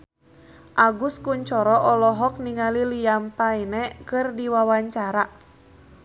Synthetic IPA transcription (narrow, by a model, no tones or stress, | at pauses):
ʔaɡuskuɲt͡ʃɔɾɔʔɔlɔɦɔk̚niŋalilijampainɛkɨrdiwawaɲt͡ʃaɾa